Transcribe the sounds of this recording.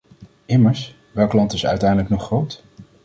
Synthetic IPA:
ɪməɹs | ʋɛlˠklɑntɪsœ̰ɥtɛjndələknɔχrowt

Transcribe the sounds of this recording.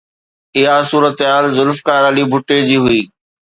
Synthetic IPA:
ɪɦasuːɾət̪ɦaːlzʊlfkaːɾaːlibʱʊʈed͡ʑiːɦʊiː

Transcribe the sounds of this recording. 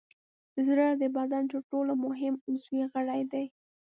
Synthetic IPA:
zɾəd̪əbad̪ant̪əɾʈolomʊɦɪmnsuiɣəɽajd̪aj

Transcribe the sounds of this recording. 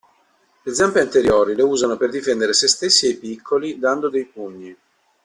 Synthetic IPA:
led̪zampeint̪eɾjoːɾileuːzanoperd̪ifɛnd̪eɾesest̪esːiejpikʰːolid̪and̪od̪ejpuɲːi

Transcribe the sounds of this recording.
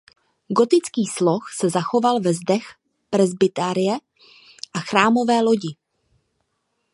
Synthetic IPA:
ɡo̞t̪ɪt͡skiːslo̞xsɛzaxo̞valvɛzdɛx | pɾɛzbɪt̪aɾɪjɛ | ʔaxɾaːmo̞vɛːlo̞ɟɪ

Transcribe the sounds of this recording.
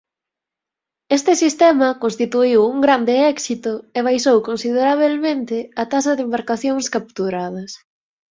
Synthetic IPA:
est̪ɪsist̪ɛmɐkonst̪it̪uiwuŋɡɾand̪ɪɛksit̪ʊeβ̞ajsowkõnsið̞eɾaβ̞elmẽnt̪ɪɐt̪asɐðembaɾkaθjoŋskap̚t̪uɾað̞ɐs

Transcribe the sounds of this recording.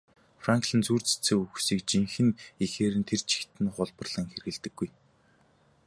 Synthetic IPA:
fraŋkɮɘ̆nt͡suːrt͡sɘ̥t͡sɘ̆ːŋuxsiːkt͡ɕiŋxɘ̆nixeːɾɘ̆nt̪ʰert͡ɕʰi̥xt̪ɘ̆nχʊɮpɞ̆rɮ̥ə̆ŋxerɣɘ̆ɮt̪ɘ̆ɡːuj

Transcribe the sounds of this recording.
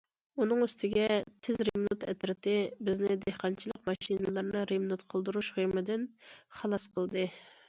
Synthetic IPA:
unɨŋyst̪ʰɪɡʲɛt̪ʰɪzɾemnut̪ʰɛt̪ɾɪt̪ʰɪbɪznɪd̪ehqɑnt͡ʃʰilˠəqmɑʃinɨlˠɑɾnɨɾemnut̪qʰəlˠd̪uɾuʃχijmɨd̪ɪnχɑlˠɑsqʰəlˠd̪ɨ

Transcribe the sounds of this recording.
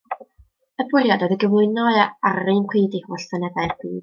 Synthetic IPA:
əbʊɾjadɔðəɡəvlˠʊɨnɔɨaaɾɨnkʰwiːdihuɬsənɛdaɨrbiːd̥

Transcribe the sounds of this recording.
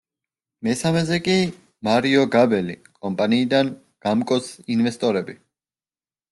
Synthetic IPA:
mɛsamɛzɛkʼi | maɾiɔɡabɛlḭkʼɔmpʼaniːd̪an | ɡ̥amkʼɔsinvɛst̪ʼɔɾɛbi

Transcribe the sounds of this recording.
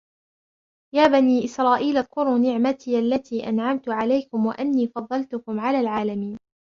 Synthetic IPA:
jaːbaniːʔɪsɾˤɑːʔiːlʔɑd̪qʊɾuːnɪʕmat̪iːʔalːat̪iːʔa̰nʕamt̪ʊʕalajkʊmwa̰ʔanːiːfɑðˤːɑlt̪ʊkʊmʕalaːlʕaːlamiːn

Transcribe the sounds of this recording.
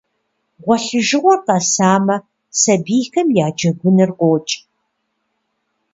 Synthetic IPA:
ʁʷɔɬɨʒɨʁʷɔrqɐsaːmɐ | sɐbiːxɐmjaːd͡ʒɐɡʷʊnɨrqʷoːt͡ʃʼ

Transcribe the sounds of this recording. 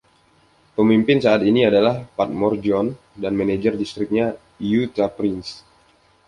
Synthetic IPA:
pəmimpɪnsaːt̪iniadalahpat̪̚mɔrd͡ʒɔn | danmaned͡ʒərdist̪ɾɪk̚ɲa | jut̪apɾɪns

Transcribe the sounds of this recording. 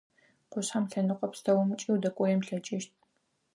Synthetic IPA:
qʷʊɕħamɬɐnɨqʷʼɔpstʰɐwɐmt͡ʃʼiːwdɐkʷʼɔjɛmɬɐt͡ʃʼɪʃt̚ʰʼ

